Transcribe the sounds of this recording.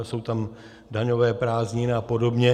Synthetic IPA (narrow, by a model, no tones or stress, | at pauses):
so̞wt̪am | daɲo̞vɛːpɾaːzɲɪnɪapo̞do̞bɲɛ